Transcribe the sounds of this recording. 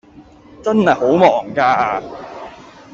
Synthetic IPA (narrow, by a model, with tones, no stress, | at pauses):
t͡sɐ˥nhɐ˨jho˨˥wmɔː˨˩ŋkaː˧aː˧